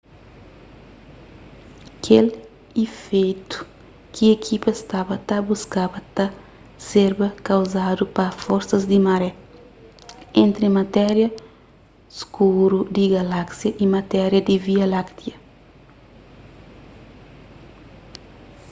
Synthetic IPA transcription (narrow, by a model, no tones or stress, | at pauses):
kʰel | ifejt̪u̥ | kʰiekʰipɐst̪abɐt̪ɐbuskabɐt̪ɐ | seɾbɐkɐwzad̪upɐfoɾsɐzd̪imɐɾɛ | ẽnt̪ɾɪmɐt̪ɛɾjɐ | skuɾud̪iɡɐlaksjɐʔimɐt̪ɛɾjɐd̪iviɐlakt̪iɐ